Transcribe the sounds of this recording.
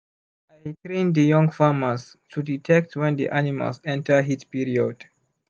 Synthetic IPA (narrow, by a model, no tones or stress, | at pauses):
ajtɹẽnd̪əjɔ̃ŋfaməs | tʰuditʰɛk̚tʰwɛ̃nd̪ḭʔanima̰lsɛ̃ntʰə˞ɦitpiɹiod̥